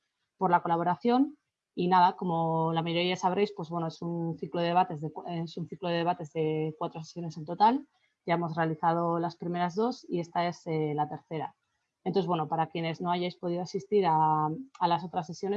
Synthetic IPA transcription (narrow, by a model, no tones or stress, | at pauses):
po̞ɾlako̞laβo̞ɾaθjo̞n | inaðako̞mo̞lamajoɾiasaβɾe̞jspwe̞zβwe̞noesunθikloðee̞at̪e̞zðe̞kesunθikloðeeat̪e̞zðe̞kwat̪ɾo̞se̥sjo̞ne̞se̞nt̪o̞t̪al | ɟ͡ʝae̞mo̞sre̞aliθað̞o̞laspɾime̞ɾazðo̞sie̞st̪ae̞selat̪e̞ɾθe̞ɾa̰ | ent̪oθeβwe̞nopaɾakje̞ne̞zno̞aʝajspo̞ð̞iðo̞asist̪iɾaalas̬o̞t̪ɾasːe̞sjo̞ne